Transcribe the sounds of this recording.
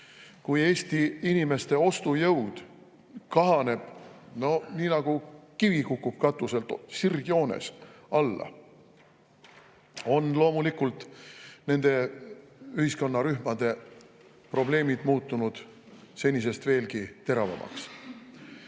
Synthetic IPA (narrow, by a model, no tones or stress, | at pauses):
kuje̞ːsʲt̪iinime̞st̪e̞o̞st̪ujɤwd̪̥ | kɑɦɑne̞b̥no̞niːnɑɡ̥ukivikukːub̥̚kɑt̪ːˑuse̞lt̪sirɡ̥io̞ːnḛsɑlːɑ̰ | o̞nlo̞ːmulikult̪ˑne̞nd̪̥e̞ | yhisko̞nːɑɾyhmɑd̪̥e̞ | pro̞ble̞ːmid̪̥muːt̪ˑːunud̪̥se̞nʲis̬e̞st̪ve̞ːlkit̪e̞ɾɑvɑ̰mʔɑ̰ks